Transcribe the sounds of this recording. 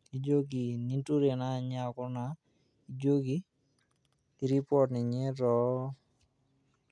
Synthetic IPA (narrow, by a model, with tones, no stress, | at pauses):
i˨d͡ʒo˦ɡi˨ni˦ntu˦ɾe˨na˦˨ɲa˦˨kʊ˦na˨˦ | i˨d͡ʒo˦ɡi˦˨ | ɾi˦pɔ˨tnɪ˨ɲe˦ɾɔ˨˦